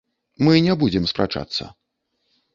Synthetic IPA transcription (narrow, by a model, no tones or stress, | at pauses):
mɨnʲɛbud͡zʲɛmspɾa̰t͡ʂa̰t̪sːə̰